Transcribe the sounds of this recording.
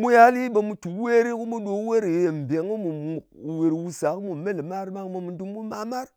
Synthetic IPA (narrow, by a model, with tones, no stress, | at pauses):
mu˦ja˦li˦ba˨mu˨tu˨we˦ɾi˦ku˦mu˦ɗo˨˦we˦ɾi˨e˨m˨be˨ŋ˦mu˨u˨we˨ɾwu˨sa˨kmu˨me˦lma˦ɾma˦ŋ˦ma˨mu˨du˦m˦bu˦ma˨ma˦ɾ